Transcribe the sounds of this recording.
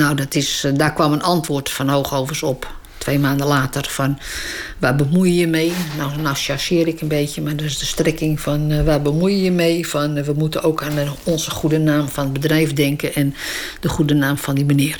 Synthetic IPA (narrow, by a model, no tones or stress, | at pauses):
nawdɔtɪsdarkʋɔmənʔɑntʋʊːrtfɔnhoːxoːvərsɔp | tʋejmaːndəlaːtərfɔnʋabəmujjəmejnawnawʃasɪəɾɪkənbeːtjəmadɔɪsdəstrɪkɪŋfɔnʋabəmujjəmejfɔnʋəmutənoːkanəɔnzəχudənaːmfɔnət̚bədrɛjfdɛŋkəɛndəχudənaːmfɔndimənɪər